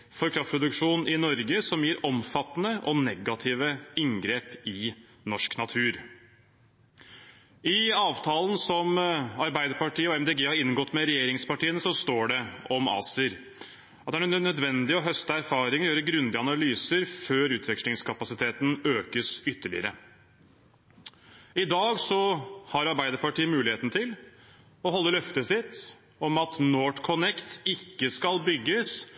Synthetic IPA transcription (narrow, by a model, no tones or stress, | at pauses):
fɔɾkʰɾɑft̪pʰɾʊd̪ʉkʂuːnɪnɔɾɡəsɔmjiːɾʔɔmfɑt̪ːnəʔɔnɛɡɑt̪ʰiːʋəɪŋɡɾeːpɪ | nɔʂknɑt̪ʰʉːɾ | ɪɑːʋt̪ʰɑːlən̩sɔmɑɾbæɪd̪əɾpɑʈʰiːəɔɛmd̪eːɡeːhɑɾɪnːɡɔt̪ːmɛɾɛjeːɾɪŋspɑʈiːənəsɔst̪oːɖɛɔmɑ̰ːsəɾ | ɑt̪d̪ænnœd̪ʋɛnd̪ɪɔɦœst̪əæɾfɑːɾɪŋɔjøːɾəɡɾʉnd̪ɪɑnɑlyːsəɾføːɾʉːt̪ʰʋɛkʂlɪŋskʰɑpɑsɪt̪ʰeːt̪n̩øːkəsʏt̪ːəɭɪ̰əɾə̰ | ɪd̪ɑːɡsɔhɑɾɑɾbæɪd̪əɾpɑʈiːəmʉːlɪheːt̪nət̪ʰɪl | ɔɦɔlːəlœft̪əsɪt̪ː | ɔmɑt̪noːʈkʰɔnɛkt̪ɪkːəskɑlbʏɡːəs